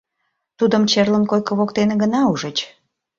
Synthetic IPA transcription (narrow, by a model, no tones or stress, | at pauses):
t̪ud̪əmt͡ɕerlənkojkə̆βokt̪eneɡənɑuʒət͡ɕ